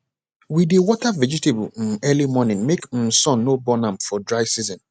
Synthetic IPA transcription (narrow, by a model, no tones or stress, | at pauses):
widewɔtavɛd͡ʒitebun̩ɛlimɔnɪ̃nmekn̩sɔ̃nːobɔnãmfɔdɹaɪsizɔ̃n